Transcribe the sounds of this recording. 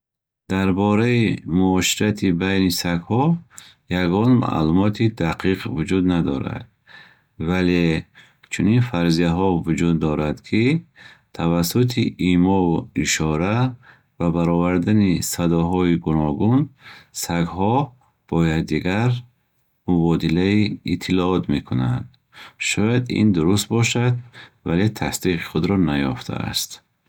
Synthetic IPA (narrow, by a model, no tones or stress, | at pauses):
d̪̥aɾbɔɾaimuɔʃiɾat̪ʰibajnisakhɔ | jaɡɔnma̰ʔlumɔt̪ʰid̪aqʰiqvud͡ʒud̪nad̪ɔ̰ɾa̰d̪̥ | vale | t͡ʃʰuninfaɾzijaɦɔvud͡ʒud̪ːɔɾad̪kʰit̪ʰavasut̪ʰiʔimɔuiʃɔɾa | vabaɾɔvaɾd̪anisad̪ɔɦɔiɡunɔɡunsaɡhɔ | b̥ɔjad̪ːiɡaɾ | mubɔd̪ilaiit̪ʰːilɔɔt̪me̞kʰuna̰nd̪ | ʃɔjad̪ḭnd̪uɾust̪̚bɔʃad̪̚vale̞t̪ʰast̪iqi̥χud̪ɾɔnajɔft̪ʰa̰a̰st̪